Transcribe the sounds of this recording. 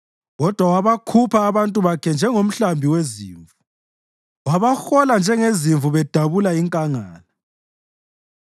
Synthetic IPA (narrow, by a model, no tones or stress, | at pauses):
ɣɔd̥ʱwawaβakʰupʰaːβantʼuβakʰɛnd͡ʒʱɛŋom̩ɬambʱiweziːɱvu | waβaxɔland͡ʒʱɛŋeziɱvuβɛd̥ʱaβulaiŋkʼaŋaːla